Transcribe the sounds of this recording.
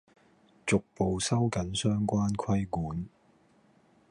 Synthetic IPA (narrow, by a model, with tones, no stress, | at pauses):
t͡sʊ˨k̚po˨wsɐ˥wkɐ˨˥nsœː˥ŋkʷaː˥nkʰɐ˥jkuː˨˥n